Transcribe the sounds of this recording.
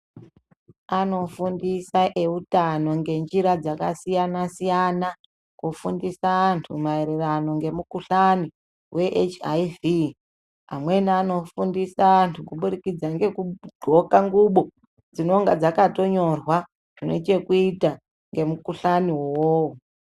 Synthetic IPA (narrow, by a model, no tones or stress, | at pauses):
ano̞fundisaʔe̞utano̞ŋɡe̞nd͡ʒiɾad͡zakasijanasijana | kufundisaːntʰumaiɾirano̞ŋɡe̞mukuɬani | we̞ʔet͡ʃajvi | amwe̞niano̞fundisaːntʰukuɓurikid͡zaŋɡe̞kuɡ͡ǃʱo̞kaŋɡuɓo̞ | d͡zino̞ŋɡad͡zakato̞ɲo̞rwa | ʐ̥inḛt͡ʃe̞kuita | ŋɡe̞mukuɬaniwowowo